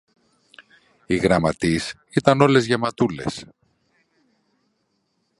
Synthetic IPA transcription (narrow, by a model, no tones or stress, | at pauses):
iɣɾɐmɐt̪is | it̪ɐno̞le̞zʝemɐt̪ule̞̰s